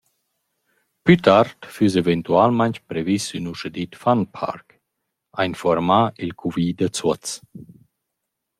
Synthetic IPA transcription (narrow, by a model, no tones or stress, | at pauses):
pyt̪aɾt̪fys̬event̪ualmant͡ʃpɾevisynuʃəd̪it̪fanpʰa̰ɾk | ainfɔɾmailkʰuviːd̪ət͡sɔt͡s